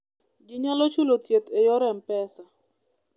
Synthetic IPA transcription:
ɡɪɲalɔt͡ʃulot̪jet̪ejɔɾɛmpɛsa

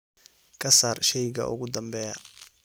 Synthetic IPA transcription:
kʰɐsaːrʃɛjɣɐ̰ʔʊ̰ɣʊd̪ɐmbɛːjɐ

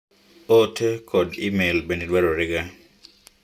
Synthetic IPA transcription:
otʰekʰɔdḭmelbenidwaɾoɾɪɡa

